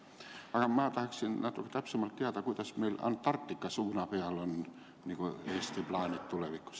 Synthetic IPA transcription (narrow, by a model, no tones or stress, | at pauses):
ɑˑkɑmæːˑt̪ɑhksinnæˑt̪ːukt̪æpsemːɑlt̪t̪iæt̪ɑkuit̪ɑsmeˑilɑ̰ntt̪ɑrt̪ːikːɑsuːnɑpeælon | niːkoest̪iplɑːnit̪t̪uleʋikːo̥s